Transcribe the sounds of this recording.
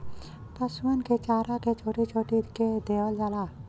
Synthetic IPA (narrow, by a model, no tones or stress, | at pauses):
p̪ɐsuənket͡ʃaːɾaket͡ʃʰoːʈit͡ʃʰoːʈiked̪eːʋəld͡ʒalaː